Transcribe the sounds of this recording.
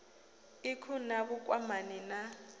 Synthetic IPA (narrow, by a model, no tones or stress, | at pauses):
ɪkʰʊnabʊkʼwamanɛna